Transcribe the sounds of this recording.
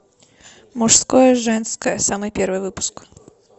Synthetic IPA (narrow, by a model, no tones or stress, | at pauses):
mʊʂskojəʐɛnskəjəsamɨjpʲervɨjvɨpʊ̥sk